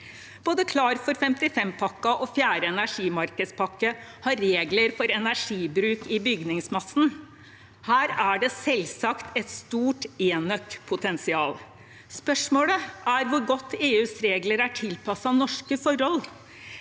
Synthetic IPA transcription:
b̥oːd̪əkʰlɑːɾfɔɾfɛmt̪ɪfɛmpʰɑkːɑʔɔfjæːɾəɛnæʂiːmɑɾkəspʰɑkːəhɑɾːeːɡləɾfɔɾɛnæʂiːbɾʉːkɪbʏɡnɪŋsmɑsn̩ | hæːɾæɖɛsɛlsɑkt̪ʰɛt̪st̪uːʈeːnœkpʰʊt̪ʰɛnsɪɑːl | spœʂmoːləæɾʋʊɾɡɔt̪ʰːeːʉːsɾeːɡləɾæʈʰɪlpɑsɑnɔʂkəfɔɾɔl

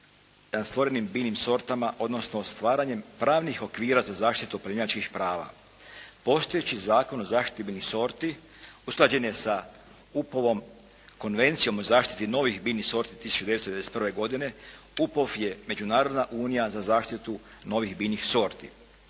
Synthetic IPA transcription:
st̪ʋo̞ɾenimbiːnimso̞ɾt̪amaʔo̞d̪no̞sno̞st̪ʋaːɾaɲe̞mpɾaːʋnixo̞kʋiːɾazazaːʃt̪it̪upɾaimat͡ʃkixpɾaːʋa̰ | po̞st̪o̞jet͡ɕizaːko̞nozaːʃt̪i̥t̪ibiniso̞ɾt̪i | usklˠad͡ʑe̞njesa | upoʋo̞m | ko̞nʋe̞nt̪sijo̞mo̞zaːʃt̪i̥t̪ino̞ʋixbiːniso̞ɾt̪i̥t̪isu̥t͡ʃud̪eest̪oedese̥t̪prʋe̞ɡo̞d̪ine̞ | upofje̞me̞d͡ʒunaːɾo̞d̪naʔuːnijazazaːʃt̪it̪u | no̞ʋixbinixso̞ɾt̪ḭ

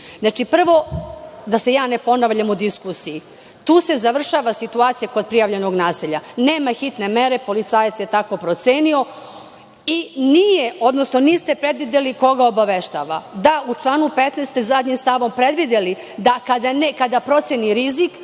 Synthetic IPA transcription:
znat͡ʃipr̩ʋo̞d̪ase̞jaːne̞po̞naʋʎamud̪iskusiji | t̪uːse̞zaʋr̩ʃaːʋasit̪uaːt̪sijako̞d̪̚pɾijaʋʎe̞no̞ɡnaːsiʎane̞ːmaxit̪ne̞me̞ɾe̞po̞lit̪saːjat̪sje̞t̪ako̞pɾo̞t̪seːnio̞ | inijeo̞d̪no̞sno̞niːst̪e̞pɾe̞d̪ʋid̪eliko̞ɡaobaʋeʃt̪a̰ːʋad̪aut͡ʃlˠaːnupet̪nest̪ezad̪ɲimst̪aʋo̞mpɾe̞d̪ʋid̪eli | d̪akad̪anekad̪apɾo̞t̪sjeniɾizik

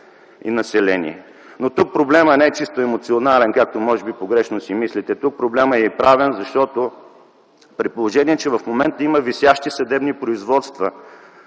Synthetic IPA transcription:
ḭnɐsɛlɛnḭɛ̰ | not̪uk̚pɾoblɛmənɛɛt͡ʃist̪oɛmot̪sionalɛnkak̚t̪omɔʒɛbipoɡɾɛʃnosimislit̪ɛt̪uk̚pɾoblɛməɛpɾavɛnzɐʃt̪ɔt̪o | pɾit̪̚polˠoʒɛniɛt͡ʃɛvɐfmomɛnt̪əiməvisʲjaʃt̪isɐd̪ɛbnipɾoizvɔt̪st̪və

